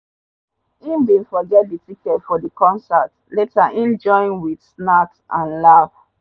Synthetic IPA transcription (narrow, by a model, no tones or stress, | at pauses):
ĩndĩnfɔd͡ʒɛditikɛtfɔdikɔ̃nsat | letaʔĩnd͡ʒɔ̃ĩnwidsnatsʔãnlav̥